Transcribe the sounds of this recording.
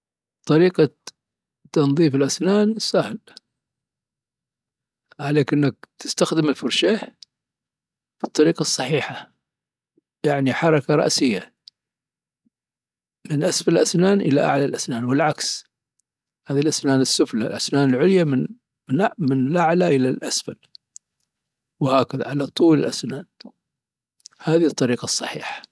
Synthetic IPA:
t̪ˤːɑɾiːqɑ | t̪ːɑnðˤiːfɪlʔasnaːnsːahl | ʕaleːkʔɪnːak̚t̪ɪ̥st̪axd̪ɪmɪlfʊɾʃaː | b̥ɨt̪ˤːɑɾiːqɑsˤːɑħiːħa | jaʕniħɑɾˤɑkaɾˤɑ̰ʔsɪjːa | mɪnʔasfallʔasnaːnʔɪla̰ʔa̰ʕlalʔasnaːnwɪlʕaks | haːðilʔasnaːnɪsːʊfla̰lʔasnaːnɪlʕʊljamɪn | mɪnʔmɪnɪlʔaʕlaʔɪlalʔasfal | whaːkaða̰ʕalat̪ˤuːlɪlʔasnaːn | haːðit̪ˤːɑɾiːqɑsˤːɑħiːħḁ

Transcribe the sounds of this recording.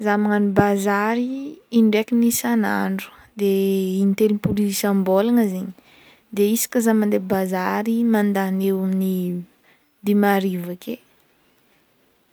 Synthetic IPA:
zamaŋanibazaɾiiɳɖ͡ʐekinisanaɳɖ͡ʐu̥ | d̪einit̪eɾimpuliisambolaŋəziɲi̥ | d̪eisi̥kʲəzamand̪ebazaɾimand̪anewni | d̪imaɾivakʲe

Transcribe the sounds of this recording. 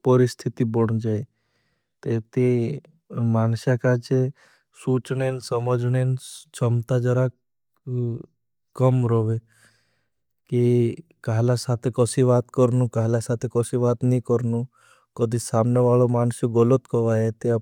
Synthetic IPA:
pɔɾɪst̪ʰit̪ibɔɽ̃d͡ʒae | t̪et̪e | maːnsjakat͡ʃe | suːt͡ʃnensəməd͡ʒnent͡ʃəmt̪ad͡ʒəɾa | kəmɾoːʋe | kikaɦlasaːt̪ʰekɔsiʋaːt̪kɔɾnukaɦlasaːt̪ʰekɔsiʋaːt̪nikɔɾnu | kɔd̪ʱisaːmneʋaːɭomaːnsjoɡɔlət̪kɔʋaːɦet̪e

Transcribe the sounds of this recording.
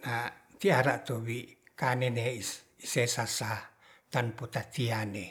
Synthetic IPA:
nat̪iaɾaʔt̪oβikanene | isesasa | t̪anput̪at̪iane

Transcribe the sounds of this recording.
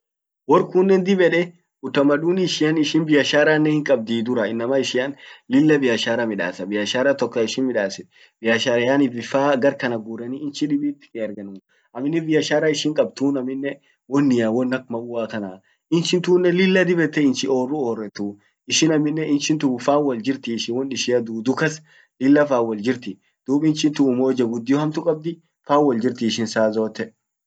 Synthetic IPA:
wɔɾkunːɛnd̪ɪbɛᶑɛ | ʊt̪ːɐmɐᶑuːnɪʃɪjɐnɪʃɪnbɪjɐʃaːɾanːɛhɪŋkʼɐb̚d̪iːd̪ʊɾɐɪnːɐmɐɪʃɪɐnlɪlːɐbɪjɐʃaːɾɐmɪᶑa̰ːsɐbɪjɐʃaːɾɐt̪ɔkːɐɪʃɪnmɪᶑaːsɛ | b̥ɪjɐʃaːɾɐjaːnɪbɪfaːɡɐɾkɐnɐɡuːɾɛniɪnt͡ʃɪᶑɪbiːt̪ːɪ̥kɛɐɾɡɐnʊ | ʔɐmɪnːɛbɪjɐʃaːɾaɪʃɪŋkʼɐbt̪uːnɐmɪnːɛ | wɔnːɪjawɔnːɐkmɐwaːkɐnaː | ɪnt͡ʃɪnt̪uːnːɛlɪlːɐd̪ɪbɛt̪ːɛɪnt͡ʃɪʔoːrːʊoːrːɛt̪u | ɪʃɪnɐmɪnːɛʔɪnʃɪnt̪ʊʊfaːwɐld͡ʒɪɾt̪ɪːʃɪnwɔnᶑɪʃɪɐd̪uːd̪ʊkɐs | lɪlːɐfaːwɐld͡ʒɪɾt̪ɪ | d̪̥uːbɪnt͡ʃɪnt̪ʊːmoːd͡ʒɐɡʊd̪ːɪjɔhɐmt̪ʊkʼɐb̚d̪ɪ | faːwɔld͡ʒɪɾt̪ɪːʃɪnsaːzo̞ːt̪ːɛ

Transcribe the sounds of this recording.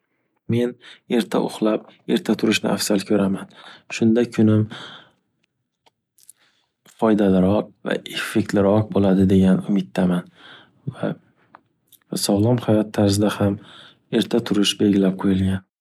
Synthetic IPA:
me̞ne̞ɾt̪ʰa̰ʔʊ̰χlˠap̚e̞ɾt̪ʰat̪ʰʊɾɪʃnɪ̰ʔa̰fsalkʲʰɵɾamanʃʊnd̪akʲʰʊnɪm | fɒjd̪alɪɾɒq̚va̰ʔefːek̚ʲt̪ʰlɪɾɒq̚bolad̪ɪd̪e̞ɡʲanʊmɪt̪ʰːaman | va | sɒwlˠɒmhajɒt̪ʰːaɾzɪd̪aham | e̞ɾt̪ʰat̪ʰʊɾɪʃbe̞lɡʲɪlap̚qʰojɪlɡʲan

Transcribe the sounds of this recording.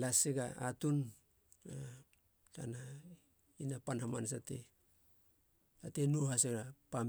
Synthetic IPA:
laseɡaatun | a | ta̰na | inapanhamans̬atḛ | atenuhaseɡapam

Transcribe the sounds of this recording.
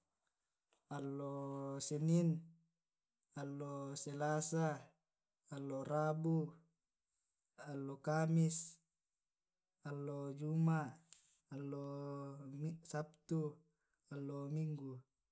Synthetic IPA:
alːosenin | alːoselasaː | lːorabu | alːokamis | alːod͡ʒumaʔː | lːo | isap̚t̪u | alːomiŋɡu

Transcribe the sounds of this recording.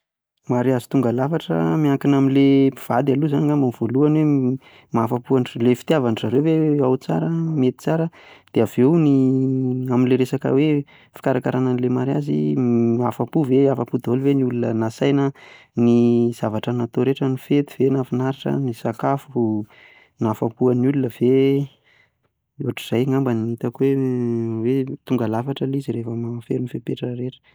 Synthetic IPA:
maɾiazit̪uŋɡalafaʈ͡ʂə̰miaŋkinamilepiv̥ad̪aluzaniŋamamiv̥oluanwe | mafapuanrlefi̥t̪iavanzaɾewweawt͡sa̰ɾəmet̪i̥t͡saɾəd̪̥eavewni | aminleɾesakə̰we | fi̥kaɾakaɾananlemaɾiazḭafapuveafapud̪oliveniulunənasajnə | niz̥avaʈ͡ʂənat̪oɾeʈ͡ʂənifet̪i̥v̥enafinaɾiʈ͡ʂə̰nisakafu | nafapuanulunəve | uaʈ͡ʂi̥z̥ajŋambaniit̪akwewet̪uŋɡalafaʈ͡ʂəliziɾefəmafeɾinfepeʈ͡ʂəɾeʈ͡ʂə̥

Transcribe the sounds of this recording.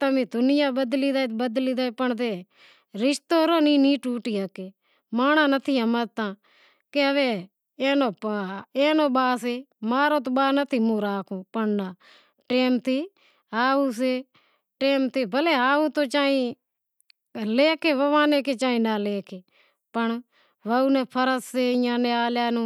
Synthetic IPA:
t̪əmĩːd̪ʊnɪjãːɓəd̪liːd̪aːbəd̪liːd̪aːipəɳt̪eː | ɾɪʃt̪oːɾoːniːniːʈuːʈiːaːkeː | maːñaːnət̪ʰiːəmət̪ãː | keəʋeː | eːnoːpeːnoːɓaːs̬eːmaːɾõːt̪̬oːɓaːnət̪ʰiːmũːɾaːkʰũːpəɽnaː | ʈeːmt̪ʰiː | aːuːs̬eː | ʈeːmt̪ʰeːbʱəleːaːuːt̪oːt͡ʃaːĩː | leːkeːʋəʋaːneːkeːt͡ʃaːĩːnaːleːkʰeː | pəɳ | ʋəuːnɛ̃ːpʰəɾəsseːɪjãːnẽːaːljaːnũː

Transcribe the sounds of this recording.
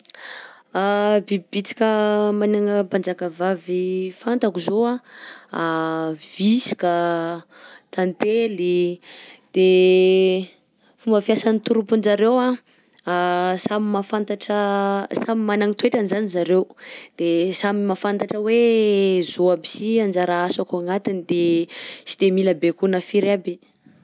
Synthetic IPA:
abibit͡si̥kʲəmanaŋəband͡zakavavifant̪akuzoaav̥isi̥ka | t̪ant̪eli | d̪̥e | fumbəfjasanit̪uɾupund͡ʒaɾewa | samimafant̪aʈ͡ʂasamimanaŋit̪weʈ͡ʂanzanizaɾewd̪̥esamimafant̪aʈ͡ʂəwezoabi̥siand͡ʒaɾaasakoaŋat̪inid̪esi̥d̪̥emilabekunafiɾabi

